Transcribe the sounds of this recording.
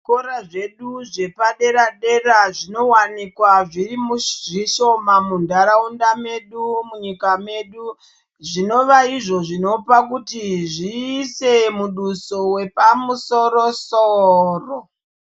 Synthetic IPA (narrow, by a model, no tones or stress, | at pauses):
koɾaʐe̞ɗuʐe̞paɗe̞ɾaɗe̞ɾaʐino̞wanikwaʐirimuʐiʃo̞mamundaɾaundame̞ɗumuɲikame̞ɗu | ʐino̞ʋaiʐo̞ʐino̞pakutiʐiːsemuɗuso̞we̞pamuso̞ɾosoːro